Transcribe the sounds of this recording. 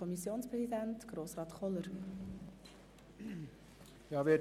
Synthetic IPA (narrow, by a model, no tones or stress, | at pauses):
ɔmisjoːnspɾɛzidæntɡ̥ɾoːsrɑːt̪χɔləɾ | jɑːʋɪ